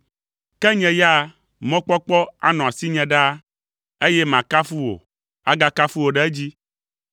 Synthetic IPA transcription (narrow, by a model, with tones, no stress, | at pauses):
kɛ˦ɲɛ̃˨ja˦ | mɔ̃˦k͡pɔ˦k͡pɔ˦a̰˦nɔ̃˨a˨si˦ɲɛ̃˨ɖa˦ | e˦jɛ˦mã˨ka˦fu˦wo̰˨ | a˦ɡa˦ka˦fu˦wo˨ɖɛ˦e˦d͡ʑi˦